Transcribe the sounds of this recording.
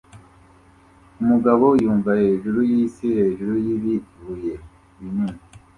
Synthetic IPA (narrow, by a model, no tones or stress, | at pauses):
umuɡaβo̞juːɱvaheʒuɾujisihe̞ːʒuɾujiβituje | βiniːni